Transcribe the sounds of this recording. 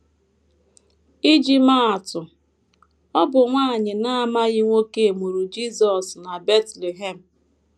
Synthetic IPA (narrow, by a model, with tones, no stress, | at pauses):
i˦d͡ʒi˦ma˦a˨tʊ˨ | ɔ˦bʊ˨ŋʷa˦˨ɲɪ˨na˦a˦ma˦ɣɪ˦ŋʷo˦ke˦˨mu˨ɾu˨d͡ʒi˦zɔ˨sna˨be˦tle˨ɦe˨m̩˨